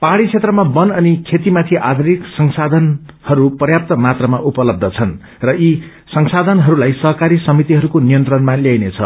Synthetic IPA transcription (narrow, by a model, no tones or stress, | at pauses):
paɽit͡sʰet̪rʌmabʌnʌnikʰet̪imat̪ʰiʔad̪ʱuɾiksʌŋsad̪ʱʌnhʌɾuprʌjap̚t̪ʌmat̪rʌmaʔupʌlʌb̚d̪ʱʌt͡sʰʌn | rʌi | sʌŋsad̪ʱʌnɦʌɾulajsʌɦkaɾisʌmit̪iɦʌɾukonijʌnt̪rʌnmaljajnet͡sʰʌ̰